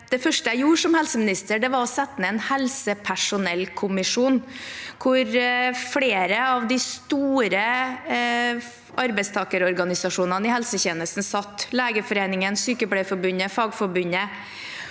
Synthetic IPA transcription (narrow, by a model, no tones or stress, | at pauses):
d̪̥ɛfœʂʈəjæɪjuːʂɔmhɛlsəmɪnɪst̪əɖɛʋɑɾɔsɛt̪ːənəɛnhɛlsəpʰæʂʊnɛlkʰʊmɪʂuːnkʰʊɾfleːɾəɑʋd̪ɪst̪uːɾə | ʔɑɾbɛɪst̪ʰɑːkəɾɔɾɡɑnɪsɑʂuːnɑnɪhɛlsəçeːnəst̪n̩sɑt̪ːleːɡəfɔɾeːnɪŋənsyːkəbɽefɔɾbʉnːəfɑːɡfɔɾbʉnːə